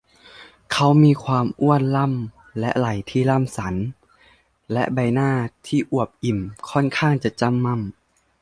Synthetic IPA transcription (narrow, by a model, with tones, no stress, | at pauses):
kʰa˦˥wmiː˧kʰwaː˧mʔu˥˩ənla˥˩˨m | lɛ˦˥ʔla˨˩jt̪ʰiː˥˩la˥˩msa˩˦n | lɛ˦˥ʔba˧jnaː˥˩t̪ʰiː˥˩ʔu˨˩əp̚ʔi˨˩mkʰɔ˥˩nkʰaː˥˩ŋt͡ɕa˨˩t͡ɕa˧˥˨mːa˧˥˩m